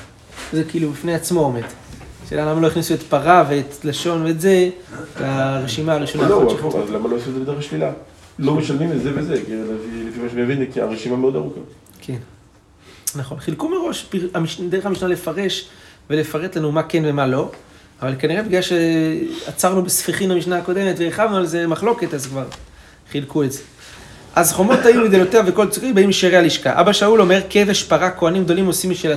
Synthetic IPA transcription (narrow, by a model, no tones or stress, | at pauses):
zekiːlubifneat͡smo̞ometʃeːlalamaloiχnisuetpaʁaveetlaʃo̞nve̞ːtze̞kaʁeʃimaʁoiʃonaooa̰zlamalojsimzedeeaʃlila | lo̞meʃalmimezevezekilefilefimaʃemievinkia̰ʁeʃimameo̞d̪aʁuka | kʰen | naχo̞nχilkume̞ʁo̞ʃpiʁamiʃde̞amiʃnale̞faʁe̞ʃ | ve̞le̞faʁet̪lanumakenve̞malo̞ | avalkaniʁebiɡlaʃeat͡saʁnubesfiχimamiʃnaako̞d̪e̞met̪veːχavnualze̞maχlo̞ke̞tazkvaʁ | χilkuetze | ʔazχo̞mo̞t̪ajumid̪elot̪eaveko̞lt͡sukibaimʃiʁealiʃka̰ʔa̰baʃaulo̞me̞ʁkeveʃpaʁako̞animɡd̪olimo̞simiʃela